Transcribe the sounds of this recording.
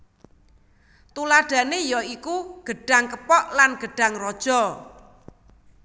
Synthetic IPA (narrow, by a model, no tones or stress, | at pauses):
t̪ulaɖ̥ä̤nejɔikuɡ̥ə̤ɖ̥a̤ŋkəpɔʔlanɡ̥ə̤ɖ̥ä̤ŋrɔd̥ʒ̥ɔ